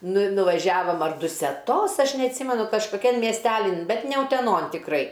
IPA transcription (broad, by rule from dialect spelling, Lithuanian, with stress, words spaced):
ˈnʊ ɪ nʊʋɐˈʒʲæːʋoːm ɐr dʊsʲɛˈtoːs ˈɐʃ nʲɛɐtʲˈsʲiːmʲɛnʊ kɐʃkoːˈkʲɛn mʲiɛsʲˈtʲæːlʲɪn ˈbʲɛt nʲɛ ʊtʲɛˈnoːn tʲɪkˈrɐɪ